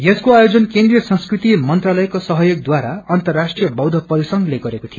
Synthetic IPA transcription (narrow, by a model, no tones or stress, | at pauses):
jeskoajod͡zʌnkẽnd̪rijʌsʌ̃nskrit̪imʌnt̪ralʌjkosʌɦʌjoɡ̚d̪waɾaʌnt̪ʌrːasʈrijʌbʌwd̪ʱʌpʌlisʌŋɡleɡʌɾekot̪ʰij